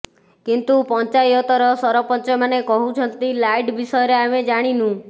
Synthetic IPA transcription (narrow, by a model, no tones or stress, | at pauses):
kint̪upɔnt͡ʃajɔt̪ɔɾɔsɔɾɔpɔnt͡ʃɔmanekɔɦut͡ʃʰɔnt̪ilajɖbisɔjɔɾeamed͡ʒaɽ̃inũ